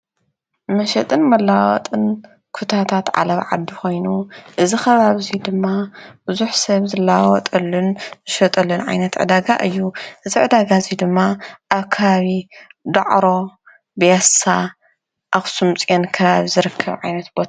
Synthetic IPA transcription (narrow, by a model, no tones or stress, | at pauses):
mɐʃɐt̪ʼɨnmɐlːawɔ̰t̪ʼɨn | kʰut̪ʰat̪ʰat̪ʕa̰lɐβʕa̰d̪ːixo̞jnuʔɨzixɐβaβizid̪ɨmːabuzuħsɐβzɨlːawɔt̪ʼɐlːunmɨʃɐt̪ʼɐlːunʕa̰jnɐt̪ʕɨ̰d̪aɡa̰ʔɨjːuʔɨziʕɨd̪aɡazid̪ɨmːaʔaβkʰɐβaβid̪ɐ̰ʕɾo̞ | bjasa | ʔaβsumt͡sʼenkʰɐβaβizɨɾɨkʰːɐβʕajnɐt̪bot̪ʰa